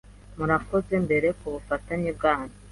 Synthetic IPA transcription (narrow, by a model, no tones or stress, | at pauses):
muɾako̞ze̞mbe̞ɾe̞kuβufataɲeb̚ɡaːni̥